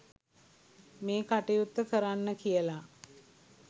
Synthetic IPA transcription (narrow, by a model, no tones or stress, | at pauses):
meːkaʈejut̪ːəkəɾanːəkijəla